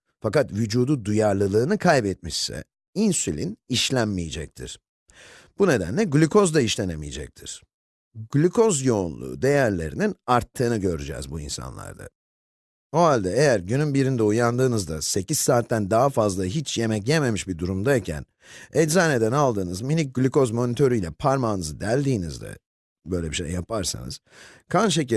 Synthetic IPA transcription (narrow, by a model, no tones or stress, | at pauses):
fakat̪vyd͡ʒuːd̪ud̪ujaɾlˠɯlˠɯːnɯkʰajbɛt̪̚miʃsɛ̰ | insylʲiniʃlʲænmijed͡ʒɛ̰c̚t̪ʰḭɾ̥ | b̥une̞d̪æ̰nlʲɛɟlʲykʰo̞zd̪aiʃlʲe̞nemijed͡ʒɛ̰c̚t̪ʰḭɾ̥ | ɡlʲykʰo̞zjo̞unlˠṵːd̪e̞jæɾlʲe̞̰ɾininaɾt̪ʰːɯːnɯɟø̞ɾyd͡ʒɛ̰ːzbuḭnsa̰nlˠa̰ɾd̪a̰ | o̞ɦalʲd̪ɛejæɾɟynynbiɾind̪ɛujand̪ɯːnɯzd̪ase̞ciz̥saːt̪ːænd̪aɦafazlˠaɦit͡ʃje̞mɛcjeme̞miʃbid̪uɾumd̪aicʰæ̰n | ɛlzaːne̞d̪ænalˠd̪ɯːnɯzminic̚ɟlʲyko̞zmo̞nit̪ʰø̞ɾyjlʲɛpʰaɾmaːnɯzɯd̪ælʲd̪iːnizd̪ɛ̰ | bø̞jlʲɛbiʃḛjːapʰaɾsa̰nɯ̰z̥ | kʰanʃ̬eci